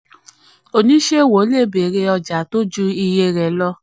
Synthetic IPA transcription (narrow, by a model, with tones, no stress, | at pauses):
o˧nĩ˦ʃe˦˨wo˨˦le˦˨be˨ɾe˧ɔ˧d͡ʒa˨to˦d͡ʒu˦i˧je˧ɾɛ˨lɔ˧